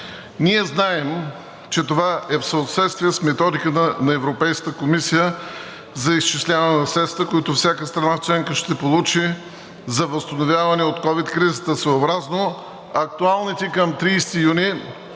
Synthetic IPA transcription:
niɛznaɛm | t͡ʃɛt̪ovaɛfsəot̪sɛt̪st̪viɛsmɛt̪ɔd̪ikət̪ənɐɛvɾopɛjskət̪əkomisijə | zɐist͡ʃislʲavɐnɛnɐsɾɛt̪st̪vəkoit̪ʊfsʲakəst̪ɾɐnaft͡ʃɛŋkəʃt̪ɛpolˠut͡ʃi | zɐvəst̪ɐnovʲjavɐnɛot̪kɔvit̪kɾizət̪əsvoobɾazno | ɐk̚t̪ualˠnit̪ɛkəmt̪ɾiːst̪ijuni

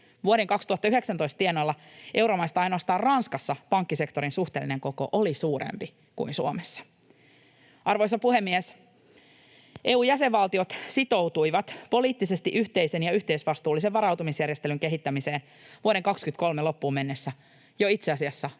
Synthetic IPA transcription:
ʋuoɾe̞ŋkɑkst̪uhɑt̪ːɑyɦe̞ksænt̪o̞ist̪t̪ienolːɑʔe̞uwɾomɑist̪ɑɑjnoɑst̪ɑːrrɑnskɑsːɑpɑŋkːise̞kt̪o̞ɾinsuxt̪eːlːineŋko̞ko̞̰ʔolisuːɾḛmpi | kṵinsuomesːɑ̥ | ʔɑrʋo̞jsɑpuhe̞mːies | ʔe̞ːuːjæse̞ʋːʋɑlt̪io̞t̪sit̪o̞wt̪ujʋɑt̪po̞liːt̪ːise̞st̪iʔyçt̪e̞ise̞njɑyht̪eisʋɑst̪uːlːiseʋʋɑɾɑwt̪umisjærje̞st̪e̞lyŋke̞ɦit̪ːæmise̞ːn | ʋuoɾe̞ŋkɑkskynt̪ko̞lmelo̞pːuːmenːesːæ | joit̪seɑsiɑsːɑ

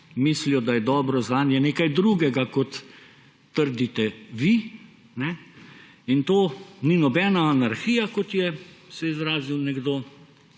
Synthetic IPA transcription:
miːslijɔd̪ajɛd̪ɔːbɾɔznaːnjɛneːkajd̪ɾuːɡɛɡakɔt̪ː | əɾd̪it̪ɛʋi | nɛ | int̪oːninɔbɛːnaːnaɾxijakɔt̪jɛsɛizɾaːziwnɛɡd̪oː

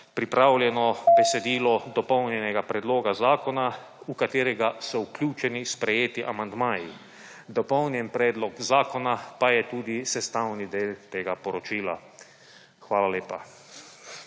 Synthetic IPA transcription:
pɾipɾaːwlʲjɛnɔbɛsɛd̪iːlɔd̪ɔpɔwnjɛnɛɡapɾɛd̪loːɡazaːkɔna | ukat̪eːɾɛɡasɔuklʲuːt͡ʃɛnispɾɛjeːt̪iʔamand̪maːji | d̪ɔpɔwnjɛnpɾɛːd̪lɔkzaːkɔnapajɛt̪uːd̪isɛst̪aːwnid̪eːlt̪eːɡapɔɾɔt͡ʃiːla̰ | xʋaːlaleːpa

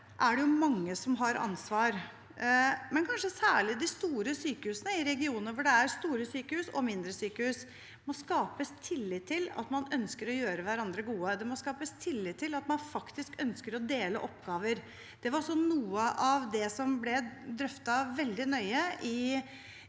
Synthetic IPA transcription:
ʔæɖɛjʊmɑŋːəsɔmɦɑɾʔɑ̰nsʋɑːɾ | mɛnkʰɑnʂəsæːɭɪd̪ɪst̪uːɾəsyːkəhʉːsənəɪɾɛɡɪuːnəɾʋʊɖɛæɾst̪uːɾəsyːkəhʉːsɔ̰mɪnd̪ɾəsyːkəhʉːs | mɔskɑːpəst̪ʰɪlːɪt̪ʰːɪlɑ̰t̪mɑnœnskəɾɔjøːɾəʋæɾɑnd̪ɾəɡuːəd̪ɛmɔskɑːpəst̪ʰɪlːɪt̪ʰːɪlɑt̪mɑnfɑkt̪ɪskœnskəɾɔd̪eːlə̰ʔɔpɡɑːʋəɾ | d̪̥ɛʋɑɾsɔnuːəʔɑʋd̪ɛsɔmblɛd̪ɾœft̪ɑʋɛld̪ɪnœʏəʔɪ

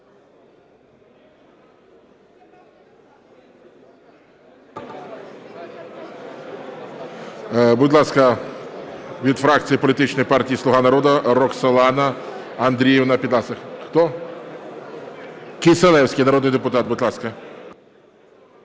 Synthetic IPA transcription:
bʊdʲlˠɑskɐ | ʋʲid̪fɾakt͡s̪ʲijipɔlʲɪt̪ɪt͡ʃnɔjpɑrtʲijislˠʊɦanɐɾɔd̪ɐɾɔksɐlˠɑnɐ | ɐnd̪ɾʲijɛwnɐpʲid̪lˠɑsɐxxt̪ɔ | kʲɪselˠɛwsʲkɪjnɐɾɔd̪njd̪epʊt̪ɑt̪̚bʊdʲlˠɑskɐ

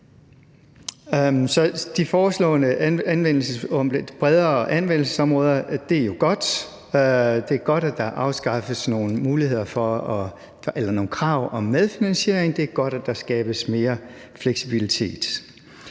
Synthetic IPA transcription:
sɒ̽d̥ifɒːslɔ̰̽ːnəænʋen̰l̩sə̥b̥ʁɛðˠɐɒʔænʋen̰l̩səsɒ̽mʁɔːð̞ˠɐd̥e̝æɐjo̝ɡ̥ɒ̽d̥ | d̥e̝æɐɡ̥ɒ̽d̥æd̥ɑ̈ʔɑ̈ʊsɡ̥ɑ̈fəsno̝ːnəmuːlihe̝ð̞̰ˠɐfɒ̽ɒ | ʔelɐno̝ːn̩kʰʁɑ̈ʊ̰ɒ̽mːeðˠfinænse̝̰ɐeŋd̥e̝æɐɡ̥ɒ̽d̥æd̥ɑ̈sɡ̥ɛ̰ːb̥əsme̝ːɐ | fleɡ̥sib̥ilit͡sʰe̝̰ːd̥

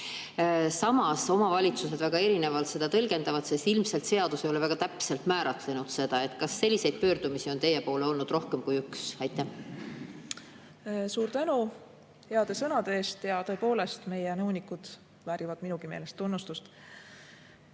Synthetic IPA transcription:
sɑmɑso̞mɑvɑlʲit̪suse̞d̪væɡ̥ɑe̞ɾine̞vɑlt̪se̞d̪̥ɑt̪ɤlɡe̞nd̪ɑvɑd̪̥se̞st̪ilmselt̪se̞ɑd̪̥usejo̞le̞væɡ̥ɑt̪æpse̞lt̪mæːɾɑt̪le̞nud̪̥se̞d̪ɑe̞t̪ˑkɑsːe̞lʲːise̞jd̪̥̚pø̞ːrd̪̥umisio̞nt̪e̞jepo̞ːle̞o̞lnud̪̥ro̞hkemkujyksɑjt̪ːˑæh | suːɾt̪ænu | he̞ɑd̪̥e̞sɤnɑd̪eeːst̪jɑt̪ɤ̞epo̞ːle̞st̪me̞jenɤwnikud̪̥ | væːɾivɑd̪minuɡ̥ime̞̰ːle̞st̪ːunːust̪ust̪

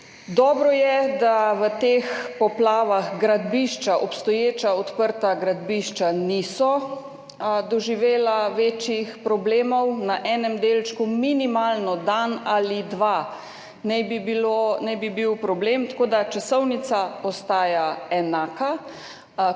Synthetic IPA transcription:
d̪ɔːbɾɔjɛd̪aʋət̪eːxpɔplaːʋaxɡɾad̪biʃt͡ʃaʔɔpst̪ɔjeːt͡ʃaɔt̪pəɾt̪aɡɾad̪biʃt͡ʃanisɔ | d̪ɔʒiʋeːlaʋeːt͡ʃjixpɾɔbleːmɔwnaʔɛːnɛmd̪eːlt͡ʃkuminimaːlnɔd̪analid̪ʋa | nɛjbibilonɛjbibiwpɾɔbleːmt̪ḁkoːd̪at͡ʃasɔwnit̪saɔst̪aːjaɛnaːka

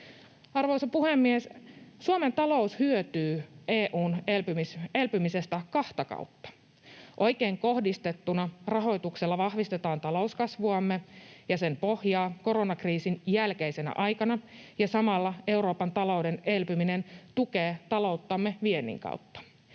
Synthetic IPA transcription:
ɑrʋo̞jsɑpuhemːiessuome̞nt̪ɑlo̞ushyøt̪yːʔe̞ːʔuːnelpymise̞lpymise̞st̪ækɑht̪ɑkɑ̰ut̪ːɑ̥ | ʔo̞jke̞ːŋko̞hdist̪e̞t̪ːunɑrɑɦo̞jt̪ukselːɑʋɑhʋist̪e̞t̪ɑːnt̪ɑlo̞uskɑsʋuɑmːe̞jɑse̞mpo̞hjɑːko̞ɾo̞nɑkriːsinjælkejse̞næ̰ʔɑjkɑnɑjɑsɑmɑlːɑe̞uɾo̞ːpɑnt̪ɑlo̞wde̞ne̞lpymine̞nt̪uke̞ːt̪ɑlo̞wt̪ːɑmːe̞ʋienːḭŋkɑ̰ut̪ːɑ̥

